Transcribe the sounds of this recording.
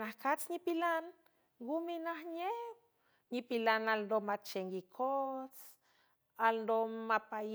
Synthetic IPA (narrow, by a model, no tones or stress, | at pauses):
nahkat͡sɲipilan | ɡuminahɲep̚ | ɲipilanalnd̪omat͡ʃeŋɡikʰot͡s | alnd̪omapa